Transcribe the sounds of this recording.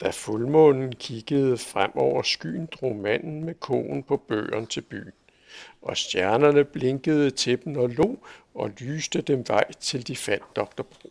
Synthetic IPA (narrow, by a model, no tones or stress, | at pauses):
d̥æfulmɔ̽nn̩kʰiɡ̥əð̞̩ˠəfʁam̰ɒʊ̰ɐsɡ̥y̰ːn̩d̥ʁo̝ːmæn̰n̩mekʰɔ̰ːn̩pʰɒ̽b̥ø̰ːɐnt͡sʰe̝lb̥y̰ːn̩ | ʔɒ̽sd̥jæɐnɐnəb̥le̝ŋɡ̥əð̞̩ˠət͡sʰe̝b̥n̩ɒ̽lo̝̰ːɒ̽lyːsd̥əd̥emʋɑ̈ɪ̰t͡sʰe̝ld̥ifæn̰dd̥ɒ̽ɡ̥̚d̥ɐb̥ʁo̝̰ː